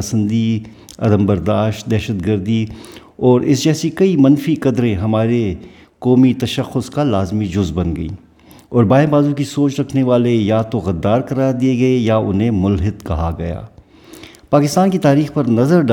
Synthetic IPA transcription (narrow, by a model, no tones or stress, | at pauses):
əsə̃nd̪i | ɐ̰d̪əmbɐɾd̪aːʃt̚d̪ɛːʃəd̪ɡəɾd̪i | ɔːɾɪs̬d͡ʒɛːsikɐimɐnfikɐd̪ɾẽɦɐmaːɾe | kɔːmit̪ɐʃəxːʊskalaːzmid͡ʒʊzbɐnɡɐḭː | ɔːɾbaːɪ̃baːzũkisoːt͡ʃɾɐkʰneʋaːlejat̪oɣɐd̪ːaːɾkɐɾaːd̪ieɡɐejaʊnɦẽmʊlɦɪd̪kɐɦaɡɐja̰ː | paːkɪst̪aːnkit̪aːɾiːxpɐɾnɐzəɾɖ